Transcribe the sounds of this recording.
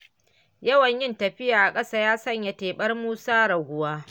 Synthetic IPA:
jɐ˦wɐ˨ɲjɪ˦ntɐ˨ɸɪ˦jaː˨ʔa˨kʼɐ˦saː˦jaː˦sɐ˦˨ɲja˨teː˨ɓɐ˦rmuː˦saː˦ɽɐ˨ɡʷʊ˨waː˦

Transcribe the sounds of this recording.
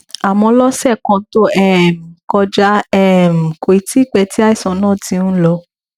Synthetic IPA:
a˨mɔ̃˧lɔ˦sɛ˦˨kɔ̃˧˦to˦ɛ˦˨m̩˨kɔ˧d͡ʒa˦ɛ˦˨m̩˨ko˨i˨ti˦˨k͡pɛ˧˦ti˦a˦i˦˨sɔ̃˨˦nãː˦˨tĩ˧˦nũ˦lɔ˧

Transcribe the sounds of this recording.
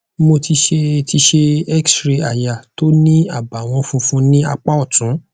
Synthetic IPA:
mo˧ti˧ʃe˧ti˧ʃe˧ɛ˦ksɾe˧a˨ja˨to˦nĩ˦a˦˨ba˨w̃ɔ̃˧fũ˧fũ˦nĩ˦a̰˧k͡pa˦ɔ˦˨tũ˨˦

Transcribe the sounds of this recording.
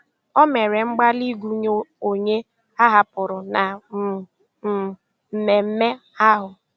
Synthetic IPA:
ɔ˦me˨ɾe˨ŋ͡m̩˦ɡ͡ba˦li˦ɡu˦ɲo˦o˨ɲe˦ | a˦ɦa˦pʊ˨ɾʊ˨na˨ | m̩˨me˨m̩˦me˦ | a˦ɦʊ˨

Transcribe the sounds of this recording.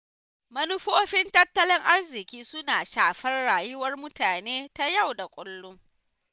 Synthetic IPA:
mɐ˦nʊ˦ɸoː˦ɸɪ˦ntɐ˦tːɐ˦lɪ˦ŋʔa˦rzɪ˨kʲiː˦sʊ˦naː˨ʃaː˨ɸɐ˦rɽaː˨jʊ˦wɐ˦rmʊ˦taː˨neː˦ta˦ja˦˨wda˨kʷʼʊ˦lːʊ˦ŋ

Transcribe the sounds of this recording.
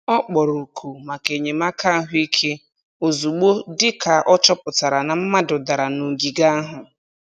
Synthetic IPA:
ɔ˦k͡pɔ˨ɾu˨kʰu˨ma˨ke˨ɲe˨ma˦kʰa˦ɦʊ˦i˦kʰe˦ | o˨zu˨ɡ͡bo˦dɪ˦ka˨ʔɔ˦t͡ʃɔ˦pʊ˨ta˨ɾa˨na˨m̩˦ma˦dʊ˨da˨ɾa˨nu˨ɡi˨ɡa˦a˦ɦʊ˨

